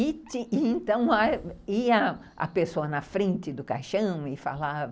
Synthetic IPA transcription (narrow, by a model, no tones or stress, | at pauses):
it̪ɪɪẽnt̪ɐ̃w̃aiɐ | ɐ̰pesoɐnɐfɾẽnt̪ɪd̪ʊka̰ʃɐ̃w̃ɪfa̰lav